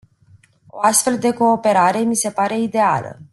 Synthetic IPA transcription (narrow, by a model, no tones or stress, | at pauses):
o̞̰ast̪fe̞ld̪e̞ko̞ːpe̞ɾaɾe̞mise̞paɾe̞id̪e̞a̰lə̰